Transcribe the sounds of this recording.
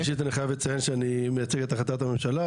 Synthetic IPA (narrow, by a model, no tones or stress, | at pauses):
ʃ̬it̪aniχajavlet͡sajenʃeanimejat͡seɡt̪aχlat̪at̪amemʃala